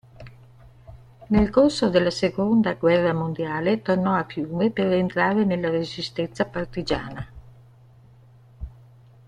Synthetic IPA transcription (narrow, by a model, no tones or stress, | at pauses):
nelkorsod̪elːasekond̪aɡwɛrːamond̪jaːlet̪ornɔafjuːmeperent̪ɾaːɾenelːaɾezist̪ɛnsapart̪id͡ʒa̰ːna